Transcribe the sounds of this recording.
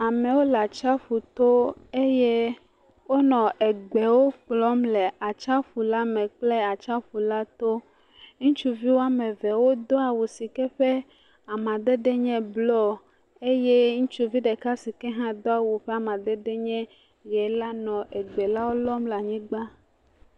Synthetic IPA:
a˨mɛ̃˨wo˦la˨t͡ʃa˦ɸu˨t̪o˦e˦je˦ | wo˦nɔ̃˨ʔe˨ɡ͡bɛ˨wo˦k͡plɔ˦mlɛ˨a˨t͡ʃa˦ɸu˨la˦mɛ̃˨k͡ple˦a˨t͡ʃa˦ɸu˨la˦t̪o˦ | ŋũ˦t͡ʃu˦vi˦wo˦a˦mɛ̃˨vɛ˨wo˦d̪ɔ˦a˨wu˨si˨kɛ˦ɸɛ˦ | a˨mã˨d̪e˦ɖɛ˦ɲɛ̃˦blɔ˦ | e˦jɛ˦ŋũ˦t͡ʃu˦vi˦ɖɛ˨ka˦si˨kɛ˦ɦã˦d̪ɔ˦a˨wu˨ɸɛ˦a˨mã˨d̪ɛ˦ɖe˦ɲɛ̃˦ | ɣɛ˨la˦nɔ̃˨ʔe˨ɡ͡bɛ˨la˦wo˦lɔ˦mla˨ɲĩ˦ɡ͡ba˦

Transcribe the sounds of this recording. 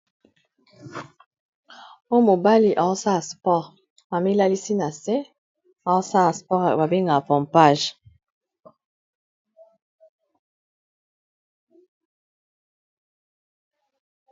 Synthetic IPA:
o˦mo˨ba˦li˨ʔa˨˦sa˦˨spɔ˦˨ʁ | ba˨mi˦la˦li˦si˦na˨se˦ | a˨˦sa˦a˨spɔ˦ʁba˨bi˦ŋɡa˨pɔ˨mpa˦˨ʒ

